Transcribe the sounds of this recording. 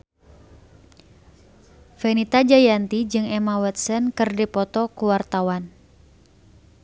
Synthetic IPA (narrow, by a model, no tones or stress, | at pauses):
fɛnit̪ad͡ʒajant̪id͡ʒɨŋɛmawɛt̪̚sənkɨrdipɔt̪ɔkuwart̪awan